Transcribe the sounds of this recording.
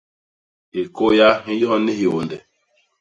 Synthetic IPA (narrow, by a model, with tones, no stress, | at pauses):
e˨ko˦ja˦ɦĩ˦jɔ˦ɦɔ˦ne˦hi˨o˨ndɛ˨